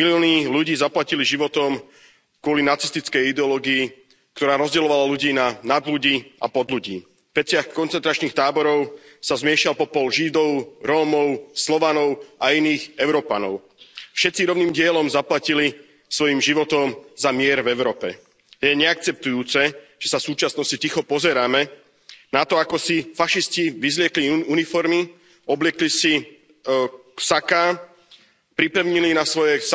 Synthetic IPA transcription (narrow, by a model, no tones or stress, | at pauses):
miliɔːniluɟiːzaplaciliʒiʋɔt̪ɔm | kʊɔlinat͡si̥st̪it͡skɛjid̪ɛɔlɔːɡii | kt̪ɔɾaːɾɔzɟɛlɔʋalaluɟiːnanad̪luɟiːʔa̰pɔd̪luɟiː | ʋɛt͡sɪaxkɔnt͡sɛnt̪ɾat͡ʃniːxt̪aːbɔɾɔʊsazmɪɛʃalpɔpɔlʒid̪ɔʊɾɔːmɔʊslɔʋanɔʊainiːɣɛʊɾɔːpanɔ̰ʊ | fʃɛt̪t͡siɾɔʊniːmɟɪɛlɔmzaplacili | sʋɔjiːmʒiʋɔt̪ɔmzamɪɛɾvɛʊɾɔːpɛ | jɛɲɛak̚t͡sɛp̚t̪ujuːt͡sɛʒ̥ɛsafsuːt͡ʃasnɔscit̪ixɔpɔzɛɾaːmɛ | nat̪ɔakɔsifaʃisciʋizlɪɛkliunifɔɾmi | ɔblɪɛklisi | ksakaː | pɾipɛʊɲilinasʋɔjɛs